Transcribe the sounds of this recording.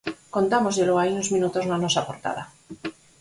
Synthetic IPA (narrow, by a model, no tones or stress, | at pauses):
ko̞nt̪amo̞zjeloajunozmĩnut̪o̞nanosapoɾt̪a̰ða